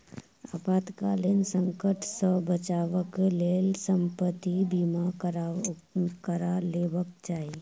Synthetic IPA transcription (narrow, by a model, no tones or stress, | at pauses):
a̰ːpaːt̪kaːlensə̃ŋkəʈsəbət͡ʃaːʋəkleːlsə̃mpət̪ibimaɾ | kəɾaleːʋəkt͡ʃaːi